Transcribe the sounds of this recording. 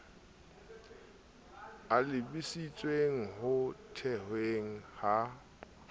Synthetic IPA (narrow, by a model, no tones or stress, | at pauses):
alɪbisit͡sʼweŋ̩hʊtʰɛhweŋ̩ha